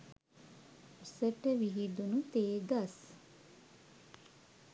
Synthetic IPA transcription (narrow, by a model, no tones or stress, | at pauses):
usəʈəʋiɦid̪unut̪eːɡɐs